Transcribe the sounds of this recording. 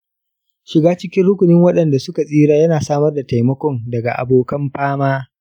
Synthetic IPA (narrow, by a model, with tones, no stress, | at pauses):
ʃɪ˨ɡaː˦t͡ʃɪ˦kʲɪ˦nɽʊ˦kʷʊ˨nɪ˦ŋwɐ˦ɗɐ˨nda˨sʊ˦ka˨sʼiː˦ɽaː˦jɐ˦naː˨saː˦mɐ˦rda˨ta˨jmɐ˦kʷɔ˦ndɐ˨ɡa̰˨ʔa̰˨boː˨kɐ˦mɸaː˦maː˦